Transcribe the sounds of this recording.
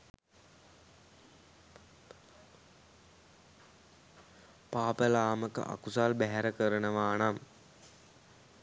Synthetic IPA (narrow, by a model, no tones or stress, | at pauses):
paːpəlaːməkə̰ʔa̰kusaːlbæɦɛɾəkəɾənəʋaːnam